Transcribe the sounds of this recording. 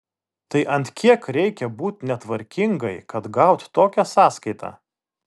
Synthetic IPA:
t̪ɐɪʔɐnʲt̪ʲkʲiɛkɾʲɛɪkʲɛbuːt̪ʲnʲɛt̪ʋɐɾʲkʲɪŋɡɐɪkɐt̪ɡɑʊt̪ʲt̪oːkʲæsɑːskɐɪt̪ʰɑ̰ː

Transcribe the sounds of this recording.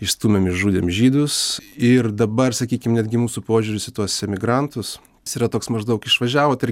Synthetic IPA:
ɪʃst̪uːmʲɛmɪʃʒuːd̪ʲeːmʒʲiːd̪ʊsɪrd̪ɐbɐrsɐkʲiːkʲɪmnʲæd̪ɡʲɪmuːsupoːʒʲuːɾʲʊssʲɪt̪uɔssʲɛmʲɪɡɾɐnt̪ʊs | siːɾɐt̪oːksmɐʒd̪ɐʊkɪʃʋɐʒʲæːʋoːt̪ɪɾ

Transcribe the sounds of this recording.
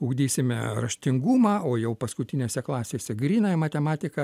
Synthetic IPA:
ʊːɡd̪ʲiːsʲɪmʲɛ̰rɐʃʲt̪ʲɪŋɡuːmɑːoːjɛʊpɐskʊt̪ʲɪnʲeːsʲɛklˠɑːsʲeːsʲɛɡɾʲiːnɐmɐt̪ʲɛmɑːt̪ʲɪkɐ

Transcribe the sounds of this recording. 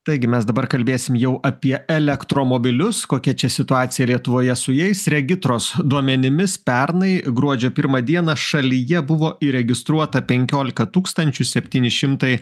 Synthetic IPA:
t̪ɐɪɡʲɪmʲɛsd̪ɐbɐɾkɐlʲbʲeːsʲɪmjɛʊʔɐpʲiɛɛlʲɛkt̪ɾoːmoːbʲɪlʲʊskoːkʲɛt͡ʃʲɛsʲɪt̪ʊɑːt̪sʲɪjɛlʲiɛt̪ʊʋoːjɛsʊjɛɪsɾʲɛɡʲɪt̪ɾoːsd̪uɔmʲɛnʲɪmʲɪspʲɛɾnɐɪɡɾuɔd͡ʒʲoːpʲɪɾmɐd̪ʲiɛnɐʃɐlʲijɛbʊʋoːɪɾʲɛɡʲɪst̪ɾuɔt̪ɐpʲɛŋʲkʲoːlʲɪkɐt̪uːkst̪ɐnʲt͡ʃʲʊsʲɛpʲt̪ʲiːnʲɪʃʲɪmt̪ɐɪ

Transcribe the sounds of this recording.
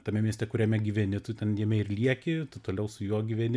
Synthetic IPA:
t̪ɐmʲɛmʲiɛsʲt̪ʲɛkʊɾʲɛmʲɛɡʲiʋʲɛnʲɪt̪ʊt̪ʲɛnjiɛmʲɛɪrlʲiɛkʲɪt̪ʊt̪oːlʲɛʊsʊjuɔɡʲiʋʲɛnʲɪ

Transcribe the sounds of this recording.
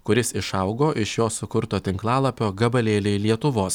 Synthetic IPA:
kʊɾʲɪsɪʃɐʊɡoːʔɪʃjoːsʊkʊɾt̪oːt̪ʲɪŋklˠɑːlˠɐpʲoːɡɐbɐlʲeːlʲɛɪlʲiɛt̪ʊʋoːs

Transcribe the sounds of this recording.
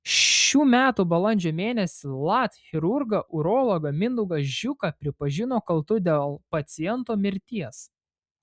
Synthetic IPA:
ʃʲuːmʲæːt̪uːbɐlˠɐnʲd͡ʒʲoːmʲeːnʲɛsʲɪlˠɑt̪xʲɪɾʊɾɡɐʔʊɾɔːlˠɔɡɐmʲɪnd̪ʊɡɐsʒʲʊkɐpʲɾʲɪpɐʒʲɪnoːkɐlˠt̪ʊd̪ʲeːlˠpɐt̪sʲɪjɛnt̪oːmʲɪɾʲt̪ʲiɛs

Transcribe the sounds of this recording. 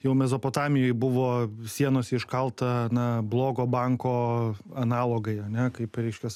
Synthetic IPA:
jɛʊmʲɛzoːpoːt̪ɑːmʲɪjoːjbʊʋoːsʲiɛnoːsɪʃkɐlˠt̪ɐnɐblˠoːɡoːbɐŋkoːɐnɑːlˠoːɡɐɪɐnʲɛkɐɪpɾʲɛɪʃʲkʲɛs

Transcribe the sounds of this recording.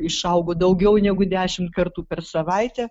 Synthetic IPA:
ɪʃɐʊɡoːd̪ɐʊɡʲɛʊnʲɛɡʊd̪ʲæːʃʲɪmt̪̚kɐrt̪uːpʲɛrsɐʋɐɪt̪ʲɛ

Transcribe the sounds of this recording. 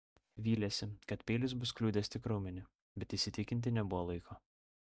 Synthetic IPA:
ʋʲiːlʲɛsʲɪkɐt̪pʲeːlʲɪsbʊsklʲuːd̪ʲɛːst̪ʲɪkɾɔʊmʲɪnʲɪ | bʲɛt̪iːsʲɪt̪ʲɪkʲɪnʲt̪ʲɪnʲɛbʊʋoːlˠɐɪkʰoː

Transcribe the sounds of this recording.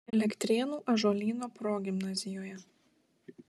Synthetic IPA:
ɛlʲɛkʲt̪ʲɾʲeːnuːʔɐʒoːlʲiːnoːpɾoːɡʲɪmnɐzʲɪjoːjɛ

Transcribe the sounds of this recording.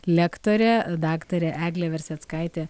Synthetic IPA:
lʲɛkt̪oɾʲɛd̪ɑːkt̪ɐɾʲɛʔæːɡlʲɛʋʲɛɾʲsʲɛt̪skɑɪt̪ʲe

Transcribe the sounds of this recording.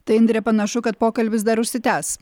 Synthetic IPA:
t̪ɐɪɪnd̪ɾʲeɛpɐnɐʃʊkɐt̪̚poːkɐlʲbʲɪs̬d̪ɐɾʊʃʲsʲɪt̪ʲæːs

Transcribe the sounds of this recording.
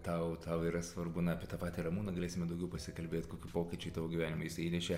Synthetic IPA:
t̪ɐʊt̪ɐʊiːɾɐsʋɐrbʊnɐɐpʲiɛt̪ɑːpɑːt̪ʲiɾɐmuːnɐɡɐlʲeːsʲɪmʲɛd̪ɐʊɡʲɛʊpɐsʲɪkɐlʲbʲeːt̪koːkʲupoːkʲit͡ʃʲʊɪt̪ɑːʋoːɡʲiʋʲæːnʲɪmɐjɪsɐiːnʲɛʃʲe

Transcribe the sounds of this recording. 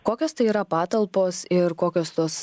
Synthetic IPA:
koːkʲoːst̪ɐɪiːɾɐpɑːt̪ɐlˠpoːsɪɾkoːkʲoːst̪uɔs

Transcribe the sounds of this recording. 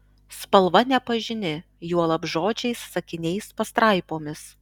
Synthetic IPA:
spɐlˠʋɐnʲɛpɐʒʲɪnʲɪ | juɔlˠɐbʒoːd͡ʒʲɛɪsːɐkʲɪnʲɛɪspɐst̪ɾɐˑɪpoːmʲɪs

